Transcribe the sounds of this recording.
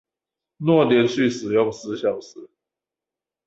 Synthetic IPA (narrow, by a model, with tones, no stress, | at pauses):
nwɔ˥˨ljɛ˧˦nɕy˥˨ʂɻ̩˨˩jʊ˥˨ŋsɹ̩˧˦ɕjɑ˨˩ʊs̩˨˩˦